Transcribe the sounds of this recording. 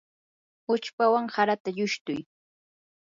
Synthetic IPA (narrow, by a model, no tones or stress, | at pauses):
ʊt͡ʃpawaŋhaɾat̪aʎʊʃt̪ʊj